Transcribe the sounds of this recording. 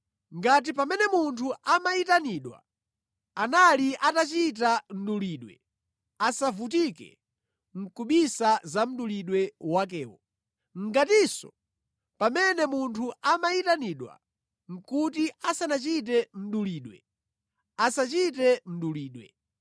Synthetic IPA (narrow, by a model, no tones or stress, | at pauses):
ŋɡat̬ipamɛnɛmuntʰuamaitaniɗwa̰ | analiʔatat͡ʃit̬am̩ɗuliɗwɛ̰ | asavutikɛ̰ | ŋ̩kuɓisazam̩ɗuliɗwɛwak̬ɛːwɔ | ŋ̩ɡatisɔ̰ | pamɛnɛmuntʰuamaitaniɗwa̰ | ŋ̩kutiasanat͡ʃit̬ɛm̩ɗuliːɗwɛ̰ | asat͡ʃitɛm̩ɗuliːɗwɛ̰